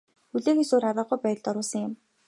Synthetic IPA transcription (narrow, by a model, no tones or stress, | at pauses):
xuɮeːxesoːɾaɾə̆ːɢʊjpæ̆ːɮt̪ɔɾʊːsə̆ŋjɪ̆m